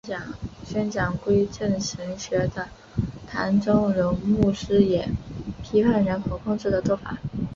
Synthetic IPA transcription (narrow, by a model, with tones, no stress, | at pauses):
ɑ˨˩ŋɕɥɛ˥nt͡ɕjɑ˨˩ŋkwe˥ɪʈ͡ʂə˥˩nʂə˧˥ŋɕɥɛ˧˥d̪ə˧ | t̪ʰa˧˥nʈ͡ʂo˥ŋɻʊ˧˥ŋmu˥˩ʂɻ̩˥jɛ˨˩pʰi˥pʰa˥˩nɻə˧˥nkʰo˨˧˩ʊkʰʊ˥˧ŋʈ͡ʂɻ̩˥˩d̪ə˩t͡swɔ˥˩fa̰˨˩˦